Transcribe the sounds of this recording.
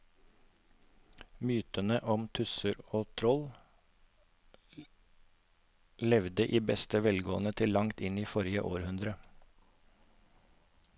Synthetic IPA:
myːt̪ənəʔɔmt̪ʰʉsəɾoːt̪ʰɾɔl | lɛʋd̪əʔiːbɛst̪əʋɛlɡoːənət̪ʰɪlːɑŋt̪ɪniːfɔɾɪə̰ʔoːɾhʉnd̪ɾə

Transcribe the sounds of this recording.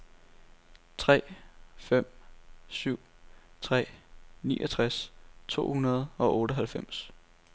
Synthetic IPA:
t͡sʰʁɛ̰ːfem̰syʊ̰t͡sʰʁɛ̰ːnḭːʔɒt͡sʰʁast͡sʰo̝̰ːhunɐð̞̩ˠɒ̽ʔɔ̽ːɾəɦælfem̰s

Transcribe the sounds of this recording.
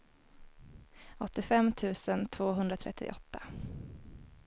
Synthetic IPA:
ɔt̪ːɪfɛmːt̪ʰʉ̟ːsənt̪ʰv̥oːɦɵnd̪ɾat̪ʰɾɛt̪ʰːɪ̰ʔɔt̪ʰːa

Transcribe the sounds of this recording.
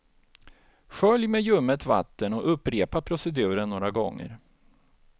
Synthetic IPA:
ɧœljmejɵmːət̪va̰t̪ːənɔʔɵpːɾeːpapʰɾʊsɛd̪ʉ̟ːɾənnoːɾaɡɔŋːə̰ɾ

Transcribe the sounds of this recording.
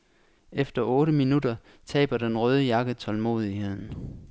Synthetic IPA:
efd̥ɐʔɔːɾəminudɐ | t͡sʰɛ̰ːb̥ɐd̥enʁœːð̞ˠəjɑ̈ɡ̥ət͡sʰɒ̽lmo̝̰ːð̞ˠihe̝ð̞̰ˠn̩

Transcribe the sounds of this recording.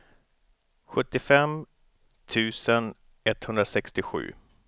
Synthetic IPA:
ɧɵt̪ːɪfɛm | t̪ʰʉ̟ːsən | ɛt̪hɵnd̪ɾasɛkst̪ɪɧʉ̟̰ː

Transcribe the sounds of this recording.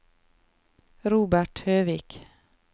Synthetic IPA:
ɾuːbæʈhøːʋiːk

